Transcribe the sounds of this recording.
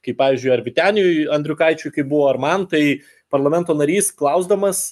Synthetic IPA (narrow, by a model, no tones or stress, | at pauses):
kɐɪpɑːʋʲiːzʲd͡ʒʲʊɪɐɾʲʋʲɪt̪ʲæːnʲɪjʊjɐnʲd̪ɾʲʊkɐɪt͡ʃʲʊjkɐɪp̚bʊʋoːɐɾmɐnt̪ɐɪ | pɐɾlˠɐmʲɛnt̪oːnɐɾʲiːsklˠɐʊzd̪ɐmɐs